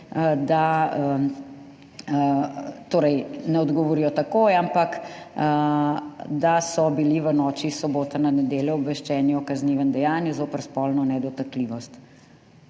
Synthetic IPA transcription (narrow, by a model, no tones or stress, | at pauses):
əd̪a | t̪oːɾɛjnɛɔd̪ɡɔʋɔɾijɔt̪akoːjampak | d̪asɔbiliʋənɔːt͡ʃisɔboːt̪ananɛd̪eːljɔɔbʋɛʃt͡ʃɛːniɔkazniʋənd̪ɛjaːnjɛzoːpəɾspɔlnɔnɛd̪ɔt̪akliʋɔst̪